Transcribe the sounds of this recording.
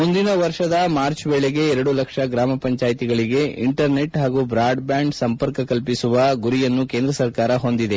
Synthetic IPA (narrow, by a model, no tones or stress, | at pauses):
mund̪inɐʋɐɾʂɐd̪ɐmaːɾt͡ʃbeːɭeɡe̞ɛɾɐɽulɐkʂɐɡɾaːmɐpɐɲt͡ʃaːjit̪iɡɐɭiɡe̞ḭɳʈɐɾne̞ʈɦaːɡubɾaːɖbjaːɳɖsɐmpɐɾkɐkɐlpisuʋɐɡuɾijɐnːuke̞ːnd̪ɾɐsɐɾkaːɾɐɦo̞nd̪id̪e̞